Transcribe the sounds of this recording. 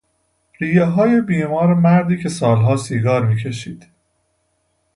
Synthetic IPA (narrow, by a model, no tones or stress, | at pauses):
ɾiːjeɦɒːjebiːmɒːɾemæɾd̪iːcʰe̞sɒːlɦɒːsiːɡɒːɾmiːcʰe̞ʃiːd̪̥